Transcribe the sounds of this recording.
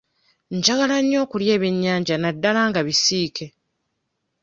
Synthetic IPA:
ɲd͡ʒaɡalaɲːo̞ːkulje̞ːβeɲːaːɲɟanadːalaːŋɡaβisiːkʰe̞

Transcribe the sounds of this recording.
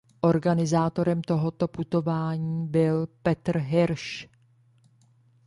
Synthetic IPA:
ʔo̞ɾɡanɪzaːt̪o̞ɾɛmt̪o̞ɦo̞t̪o̞put̪o̞vaːɲiːbɪlpɛt̪rɦɪɾʃ

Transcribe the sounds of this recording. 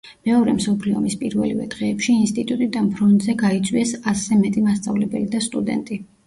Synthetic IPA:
mɛɔɾɛmsɔpʰliɔ̰mispʼiɾvɛ̰livɛ̰d̪̥ʁɛːpʃiːnst̪ʼit̪ʼut̪ʼid̪anpʰɾɔnt̪ʼzɛɡait̪sʼwiɛsaszɛmɛt̪ʼimast̪sʼavlɛbɛ̰lid̪ast̪ʼud̪ɛ̰nt̪ʼi

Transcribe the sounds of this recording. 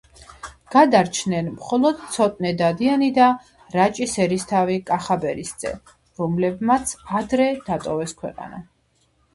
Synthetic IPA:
ɡ̥ad̪aɾt͡ʃʰnɛnmχɔlˠɔd̪̥t̪sʰɔt̪ʼnɛd̪ad̪ianid̪a | ɾat͡ʃʼisɛɾist̪ʰavikʼaχabɛɾisd̪z̥ʼɛ̰ | ɾɔmlɛbmat̪sʰad̪ɾɛd̪̥at̪ʼɔvɛskʰwɛ̰qʼa̰na

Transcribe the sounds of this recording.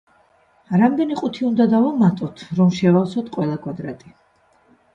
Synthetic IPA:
ɾamd̪ɛniqʼut̪ʰiund̪ad̪avɔmat̪ʼɔt̪ʰɾɔmʃɛvalsɔt̪ʰqʼwɛlˠakʼwad̪ɾat̪ʼi

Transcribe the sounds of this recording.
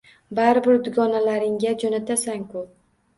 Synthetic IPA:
baɾbɪɾd̪ʊɡɒnalaɾɪŋɡʲad͡ʒonat̪ʰasaŋkʰʊ

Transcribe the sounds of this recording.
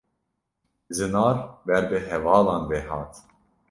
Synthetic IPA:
zɨnɑːɾbɛɾbɨɦɛvɑːlɑːnbɛɦɑːt̪

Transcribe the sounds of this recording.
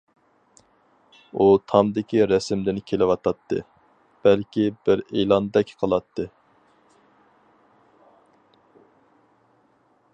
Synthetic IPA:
ut̪ʰɑmd̪ɪkʲiɾɛsɪmd̪ɪnkʲʰelɪwɑt̪ʰɑt̪ʰːɨ̰ | b̥ɛlkʲibɪɾejlˠɑnd̪ɛkʲqʰəlˠɑt̪ʰːɨ

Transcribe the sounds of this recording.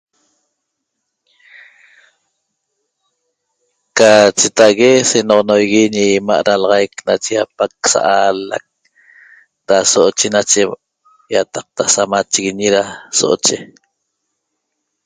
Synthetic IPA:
kat͡ʃet̪aɣesenoʁonojɣiɲima̰ʔɾalɑʁɑjknat͡ʃejapak̚sa̰ʔala̰k̚ | ɾasoʔot͡ʃenat͡ʃe | jat̪ɑ̥q̚t̪asamat͡ʃiɣiɲiɾaso̰ʔot͡ʃe

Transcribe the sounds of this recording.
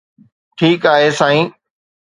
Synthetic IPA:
ʈʰiːkaːɦeːsãːĩː

